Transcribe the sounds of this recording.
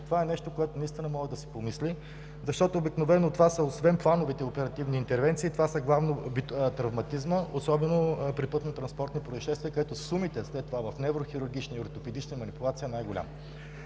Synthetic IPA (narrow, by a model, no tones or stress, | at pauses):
t̪ovaɛnɛʃt̪okoɛt̪onɐist̪inəmɔɡəd̪ɐsɛ̥pomisli | zɐʃt̪ɔt̪oːbiknovɛnːot̪ovasɐosvɛnplˠanovit̪ɛopɛɾɐt̪ivniːnt̪ɛɾvɛnt̪siːt̪ovasɐɡlˠavnobit̪ɾɐvmɐt̪izməosɔbɛnopɾipɤt̪not̪ɾɐnspɔɾt̪nipɾoiʃɛst̪viəkɐd̪ɛt̪osumit̪ɛslɛt̪ːovavɐfnɛvɾoxiɾuɾɡ̟ʲit͡ʃniioɾt̪opɛd̪it͡ʃnəmɐnipʊlˠat̪sijəɛnajɡʊlʲa̰mə